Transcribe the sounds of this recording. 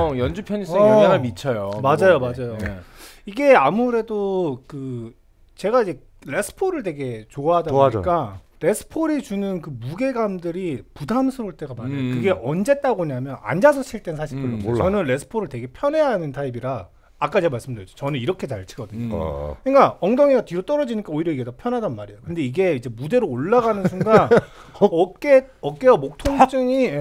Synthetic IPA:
jʌnd͡ʑupʰjʌɲis͈inamit͡ɕʰʌjomad͡ʑajomad͡ʑajoiɡe̞amuɾe̞dokɯ | t͡ɕe̞ɡaid͡ʑe̞ | ɾe̞sʰɯ̥pʰoɾɯɭte̞ɡe̞t͡ɕoaɦadaoɲik͈a | ɾe̞sʰɯ̥pʰoɾit͡ɕunɯnkɯmuɡe̞ɡamdɯɾipudamsʰɯɾoɭt͈e̞ɡamanakɯɡe̞ʔʌnd͡ʑe̞t͈aɡoɲamjʌna̰nd͡ʑas̬ʰʌɕʰiɭt͈ensʰaɕʰik͈ɯɭːooʌnɯnɾe̞sʰɯ̥pʰoɾɯɭte̞ɡe̞pʰjʌne̞ɦanɯntʰaibiɾaː | k͈at͡ɕemaɭs͈ɯmdɯjʌd͡ʑo̥t͡ɕʌnɯniɾʌkʰe̞t͡ɕaɭt͡ɕʰiɡʌdɯɲo̰kɯɲik͈aʌŋdʌŋiɡatiɾot͈ʌɾʌd͡ʑiɲik͈aoiɾjʌiɡe̞topʰjʌnɦadanmaɾe̞jokɯnde̞iɡe̞id͡ʑe̞mude̞ɾoːɭːaɡanɯnsʰuɡa | ʌk͈eʌk͈eʌmok̚tʰoŋt͡ɕ͈ɯŋi

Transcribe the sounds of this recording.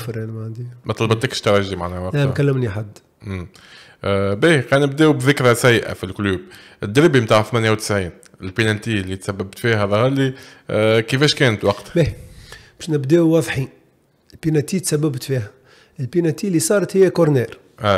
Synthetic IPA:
fɾænmʕand̪imæt̪ˤɑlɑbɑt̪ːækʃt̪ɑɾˤɑʒimaʕnæwɑqlæmkælːəmniħad̪ː | m | biːqæːnəbd̪ɛːwbðɪkɾæsæjːʔa̰filkluːb̚ | ʔɪd̪ːɪɾbimt̪aːʕθmænjæwt̪ə̥sʕiːn | ɪlpinænt̪iːlːit̪sæbːæbt̪fiːɦæðˤɑhɑli | kəfɛːʃkɛːnət̪wɑqt̪bɛbɛːʃnɪbd̪ɛːwwɑðˤħi | lpinæt̪it̪sæbːæbt̪fiɦæ | ɪlpinæt̪iːlisˤɑːɾˤɑt̪hɪjːækʊɾnɛːɾ | ʔæ

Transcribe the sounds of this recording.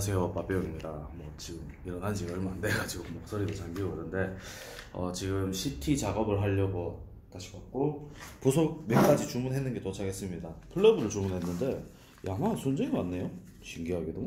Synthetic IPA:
as̬ʰe̞jop͈ap͈eoimɲidamwʌt͡ɕiɡɯm | iɾʌnɦand͡ʑiʌɭmandeɡad͡ʑiɡomok̚s͈oɾidot͡ɕaŋɡioɯnɯnde̞ | ʌt͡ɕiɡɯmɕʰitʰit͡ɕaɡʌbɯɭɦaʎːʌɡo | taɕʰi̥kat̚k͈opusʰok̚mjenk͈ad͡ʑit͡ɕumunɦe̞nːɯnɡe̞tot͡ɕʰaɡe̞s͈ɯmɲidapʰɯɭːʌbɯɾɯɭt͡ɕumunɦe̞nːɯnde̞ | jʔanasʰond͡ʑeŋiwanːe̞jo | ɕʰiŋɡiɦaɡido

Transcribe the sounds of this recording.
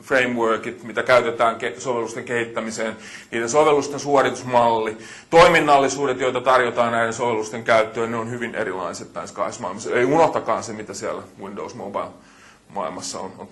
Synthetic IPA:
freimʋøːkit̪mit̪ækæyt̪et̪æːŋkesoʋelːust̪eŋkehit̪ːæmiseːn | niːdensoʋelːust̪ensuorit̪usmɑlːi | t̪oiminːɑlːisuːdet̪joit̪ɑt̪ɑrjot̪ɑːnnæidensoʋelːust̪eŋkæyt̪ːøːnneonhyʋinʔḛɾilˑɑ̰iset̪nɑiskɑ̰ismɑ̰ilmɑsːeijunoht̪ɑkɑːnsemit̪æsiæ̰læʋindo̰usmo̰bɑil | mɑ̰ilmɑsːɑ̰o̰non

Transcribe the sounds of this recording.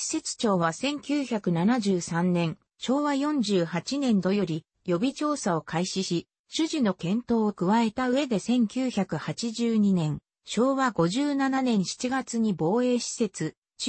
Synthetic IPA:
ɕi̥se̞t͡sɨ̥t͡ɕo̞ːβasẽ̞ŋkʲɨːçakɯ̟nanaʑɨːsãnnẽ̞ɰ | ɕo̞ːβajõ̞ɲd͡ʑɨːhat͡ɕinẽ̞nd̪o̞jo̞ɾʲi | jo̞bʲit͡ɕo̞ːsao̞kʰaiɕiɕi | ɕɨʑino̞kẽ̞nt̪o̞ːokɯ̟βae̞t̪aɯ̟e̞d̪e̞sẽ̞ŋkʲɨːçakɯ̟hat͡ɕiʑɨːɲ̟inẽ̞ɰ̃ | ɕo̞ːβaɡo̞ʑɨːnananẽ̞ɰ̃ɕi̥t͡ɕiɡat͡sɨɲ̟ibo̞ːe̞ːɕi̥se̞t͡sɨ

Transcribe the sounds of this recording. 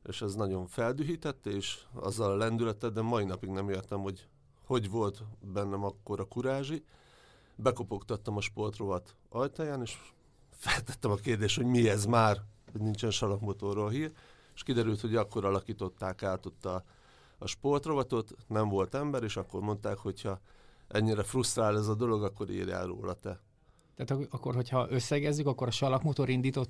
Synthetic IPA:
ḛːʃɛznɒɟo̞ɱfɛld̪yɦit̪ɛt̪ːeːʃɒ̰zːɒlɒlɛnd̪ylɛt̪ːɛd̪ːɛmɒinɒpiɡnɛmeːrt̪ɛmho̞ɟ | ho̞ɟʋo̞lt̪bɛnːɛmɒkːo̞ɾɒkuɾaːʒi | bɛko̞po̞kt̪ɒt̪ːɒmɒʃpo̞rt̪ro̞vɒt̪ | ɒjt̪ɒjaːneːʃ | fɛlt̪ɛt̪ːɛmɒkeːrd̪eːʃt̪ho̞ɟmiɛzmaːrhɒɟnint͡ʃɛnʃɒlɒkmot̪o̞rolɦiːr | eʃkid̪ɛɾylt̪ho̞ɟɒkːo̞ɾɒlɒkiːt̪o̞t̪ːaːkaːt̪o̞t̪ːɒː | ʃpo̞rt̪ro̞vɒt̪o̞t̪nɛɱvo̞lt̪ɛmbɛɾeːʃɒkːo̞rmo̞nt̪aːkho̞cʰhɒʔɛɲːiɾɛfrust̪raːlɛzɒd̪o̞lo̞ɡɒkːo̞ɾḭːrja̰ːlro̰ːlɒt̪ɛ | t̪aːt̪ɒkːo̞rɦo̞chɒʔøsːɛɡɛzːykɒkːo̞ɾɒʃɒlɒkmot̪oɾind̪iːt̪o̞t̪ː

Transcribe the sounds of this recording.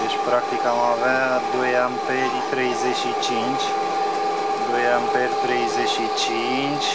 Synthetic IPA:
d̪et͡ʃʲpɾak̚t̪ikamavad̪o̞janpeɾʲt̪ɾejzeʃit͡ʃint͡ʃʲ | d̪o̞janʲpeɾʲt̪ɾejzeʃit͡ʃi | nt͡ʃʲ

